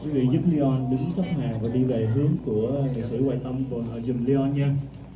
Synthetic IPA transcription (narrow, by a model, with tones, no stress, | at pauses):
kwi˨˦vḭ˧˨zu˦˥p̚li˧ʔɔ˧nɗɨ˨˦ŋsa˦˥p̚haː˨˩vaː˨˩ɗi˧ve˨˩ɦɨ˨˦əŋku˧˩ət̪ḭ˨˩jsɨ̰˧˩waː˨˩jt̪ə˧wŋ͡mt̪o˨˩nʔəː˨˩zʊ˨˩ŋ͡mli˧ʔɔ˧nɲaː˧